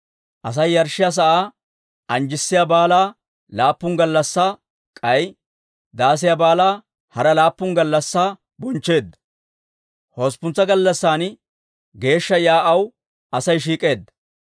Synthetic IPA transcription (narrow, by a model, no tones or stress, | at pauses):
ʔɐs̬ɐjːɐɾʃɪjaːs̬ɐʔaː | ʔɐnd͡ʒɪsːɪjabaːlaː | laːpːʊŋɡɐlːɐsːa | kʼɐj | d̪aːs̬ɪjaːbaːlaː | hɐɾɐlaːpːʊŋɡɐlːɐsːaː | bʊnt͡ʃːe̞ːd̪ːɐ | hoːspʊnt͡sːɐɡɐlːɐsːaːn | ɡe̞ːʃːɐjaːʔɐw | ʔɐsɐjʃ̬iːkʼe̞ːd̪ːɐ